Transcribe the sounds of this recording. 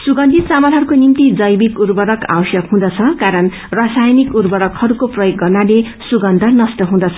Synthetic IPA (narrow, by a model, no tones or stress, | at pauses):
suɡʌnd̪ʱit̪st͡samʌlɦʌrkonimt̪id͡zʌjbikurbʌɾʌka̰bʌsjʌkɦũd̪ʌt͡sʰʌkaɾʌn | rasajnikurbʌɽʌkhʌɾukoprʌjoɡːʌrnale | suɡʌnd̪ʱʌrnʌsʈʌɦũd̪ʌt͡sʰʌ